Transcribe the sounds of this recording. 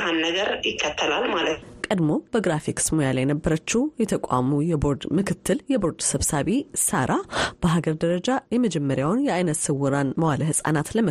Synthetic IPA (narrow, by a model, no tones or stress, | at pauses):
hanːəɡəɾjɪkʰːət̪ʰːəlalmalət̪kʼəd̪mo̞b̥əɡɾafiksmojalajɛnəbːəɾət͡ʃːɪwjɛt̪ʰəkʷʼa̰mujɛbo̞ɾd̪mɨkʰɨt̪ʰːɨljɛbo̞ɾd̪səβsaβisaɾʔab̥əɦaɡəɾd̪əɾəd͡ʒajɛməd͡ʒɛmːəɾjawnjɛʔajnət̪sɨwuɾanməwaləhɨsʼa̰nat̪ləmə